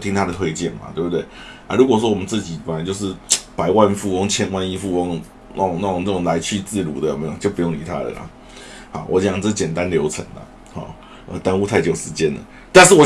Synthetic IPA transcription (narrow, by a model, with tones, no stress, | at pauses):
t̪ʰi˦ŋt̪ʰa˥də˨t̪ʰwe˥˧ɪt͡ɕjɛ˥˩nma̰˨t̪we˥˩bt̪we˥˩ɪ | a˧˩ɻu˧˥kwɔ˨˩ʂwɔ˦˥wɔ˨mə˦nt͡sɹ̩˥˩t͡ɕi˨˩pa˧˦nt͡ɕjo˥˧ʊʂ̬ɻ̩˥˩pa˧˥ɪwa˥˧nfu˥˧ɔ˥ŋt͡ɕʰjɛ˥nwa˥˧ni˥fu˥˧ɔ˥ŋ | na̰˥˩˨ŋna˥˩ʊ˨˩ŋna˥˩ʊ˨˩ŋla˧˥ɪt͡ɕʰy˥˧t͡sɹ̩˥˩lṵ˨˥d̪ə˨j̰me˧˥jo˨˩ŋt͡ɕjo˥˩ʊpu˧˦jŋnḭ˨˩t̪ʰa˦˥d̪ə̰˨˩la̰˨˩ | hɑ̰˨˩wʔɔ̰˧˥t͡ɕjɑ˨˩ŋt͡sə˥t͡ɕjɛ˨˩nt̪a˥˦nljo˧˥ʊt͡sʰə̰˧˥ŋd̪ə̰˨ | xɔ̰˨˩ | ʔə̰˨˩t̪a˥nu˥t̪ʰa˥˩ɪt͡ɕjo˨˩ʊʂɻ̩˧˥t͡ɕjɛ˥nlə̰˩ | t̪a˥˧nʂ̩˥˩wɔ˨˩